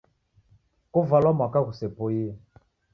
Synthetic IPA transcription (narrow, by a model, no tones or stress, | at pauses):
kovalamakaɣusepoje